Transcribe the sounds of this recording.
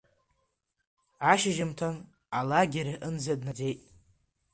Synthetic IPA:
aʃɪʒɪmtʰan | alaɡʲeɾaʔɨnd͡zadnad͡zejtʼ

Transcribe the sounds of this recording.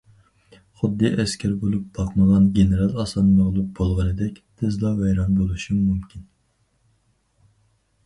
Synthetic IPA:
χʊd̪ːɨʔɛskʲʰæɾbolˠup̚b̥ɑqməʁɑnɡʲenɨɾɑlˠɑsɑnmɑʁlˠup̚b̥olˠʁɑnɨd̪ɛkʲt̪ʰɪzd̪ɑvɛjɾɑnbolˠuʃumumkʲʰin

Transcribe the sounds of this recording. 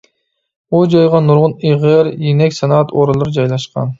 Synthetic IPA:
ud͡ʒojʁɑnuɾʁʊniʁɨɾjenɛkʲsɑnɑɑt̪ʰoːɾɑlˠuɾd͡ʒɑjlˠɑʃqʰɑ̰n

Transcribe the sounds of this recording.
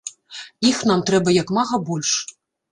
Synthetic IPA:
ixnamt̪ɾɛbɐjakmaɣɐbɔlʲʂ

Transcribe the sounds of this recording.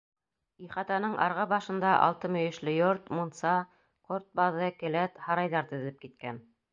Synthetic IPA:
iχɑt̪ɑnɤɴʔɑ̰ɾʁɑbɑʃɤ̆nd̪ɑʔɑ̰lˠt̪ɤmɵ̆jɘ̆ʃlɘjoɾt̪munsɑ | qoɾt̪̚bɑðɤkɘ̆læt̪hɑɾɑjðɑɾt̪ɵ̆ðɘp̚kit̪̚kæn

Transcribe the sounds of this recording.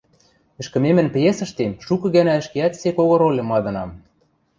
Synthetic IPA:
ɘ̆ʃkɘ̆memɘ̆npjesɤ̆ʃt̪emʃukɤ̆ɣænæɘ̆ʃkeæt̪sekoɣɤ̆ɾolʲɤ̆mɑd̪ɤ̆nɑm

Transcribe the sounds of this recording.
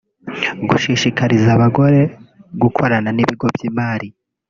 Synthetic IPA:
ɡuʃiʃikaɾizaβaɡo̞ɾe̞ɡukʰo̞ɾananiβiɡo̞bjiːmaːɾi

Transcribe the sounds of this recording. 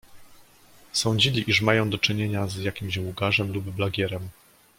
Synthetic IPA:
sɔ̃ɲd͡ʑilʲiʔiʂmajɔ̃w̃d̪ɔt͡ʂɘɲeɲazjakʲimɕwuɡaʐɛmlubːlaɡʲɛɾɛm

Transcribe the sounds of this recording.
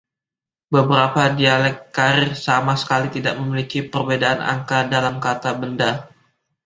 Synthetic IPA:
bəbəɾapadialɛkːaɾɪrsamasə̥kalit̪idaʔ̚məmilikipərbedaʔana̰ŋkadalamkat̪abənda

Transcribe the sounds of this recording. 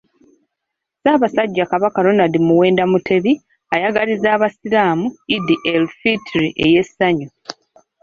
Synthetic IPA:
zaːβasaɟːakaβakalonadimuwe̞ːndamutʰe̞βi | ajaɡalizaːβasilaːmuidiʔelfitɾiʔe̞je̞sːaɲu

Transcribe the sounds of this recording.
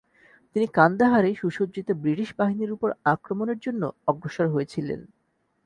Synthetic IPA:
t̪inikand̪aɦaɾeʃuʃodd͡ʑit̪obɾiʈiʃbaɦiniɾupoɾakɾomoneɾd͡ʑonːo̰ɔɡɾoʃaɾɦojet͡ɕʰilḛn

